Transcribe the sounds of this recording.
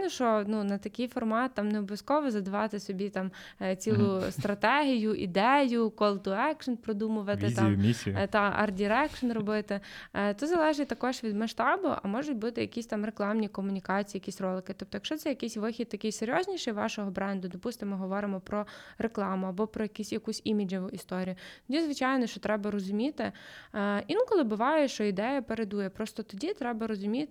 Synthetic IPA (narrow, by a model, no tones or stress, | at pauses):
nɔʃt͡ʃɔnunɐt̪ɐkɪjfɔrmɑt̪ːɑmneɔbɔʋʲjɐskɔʋɔzɐd̪ɐʋɑt̪ɪsɔbʲit̪ɑm | t͡sʲilˠʊst̪ɾɐt̪ɛɦʲijʊʔḭd̪ɛjʊkɔlˠt̪ʊɛkʃɔnpɾɔd̪umʊʋɐt̪ʲɪmmʲisʲit̪ɑɐ̰rdʲiɾɛkʃɔnrɔbɪt̪ɪt̪ɔzɐlˠɛʒɪt̚ʲt̪ɐkɔʃʋʲid̪mɐʃt̪ɑbʊʔɐ̰mɔʒʊtʲbut̪ɪjɐkʲisʲt̪ɑmreklˠɑmnʲikɔmʊnʲikɑt͡sʲijːjɐkisʲrɔlˠɪkɪt̪ɔp̚t̪ɔjɐkʃt͡ʃɔt̪sɛjɐkɛsʲʋɪxʲit̪̚t̪ɐkɪjseɾʲjɔzʲnʲiʃɛjʋɑ̰ʃɔɦɔbɾɛnd̪ʊd̪ɔpust̪ɪmɪɦɔʋɔɾɪmɔpɾɔɾeklˠɑmʊɐbɔpɾɔjɐkʲisʲjɐkusʲimʲid͡ʒɔʋʊʔist̪ɔɾʲijʊt̪ɔdʲizʋɪt͡ʃɑjnɔʃt͡ʃɔt̪ɾɛbɐɾɔzʊmʲit̪ɪ | inkɔlˠɪbʊʋɑjɛʃt͡ʃɔid̪ɛjɐpeɾed̪ujɛpɾɔst̪ɔt̪ɔdʲit̪ɾɛbɐɾɔzʊmʲit̪ʲ